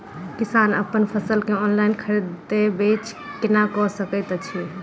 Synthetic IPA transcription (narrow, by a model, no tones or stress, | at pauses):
kisanə̰pənpʰəsəlkeɔnlainkʰəɾet̪ebet͡ʃʰ | kinakɔsəkət̪t͡ʃʰi